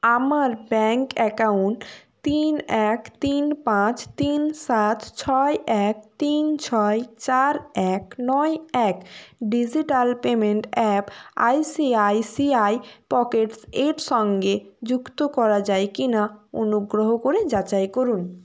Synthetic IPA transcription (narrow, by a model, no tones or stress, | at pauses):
amaɾbɛŋkɛkauɳʈt̪inɛkt̪inpãt͡ɕt̪insat̪t͡ɕʰɔeʔɛk̚t̪int͡ɕʰɔet͡ɕaɾɛknɔeɛkɖid͡ʑiʈalpemeɳʈɛpa̰jsiajsiajpɔkeʈseɾʃɔŋɡed͡ʑukt̪okɔɾad͡ʑaekinao̰nuɡɾoɦokoɾed͡ʑat͡ɕajkoɾun